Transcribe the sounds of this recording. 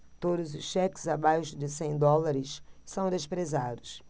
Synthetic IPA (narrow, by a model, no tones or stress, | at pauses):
t̪od̪ʊzʊʃʃɛkɪ̥zabajʃʊd͡ʒɪsẽj̃d̪ɔlaɾɪʃsɐ̃w̃d̪eʃpɾezad̪ʊs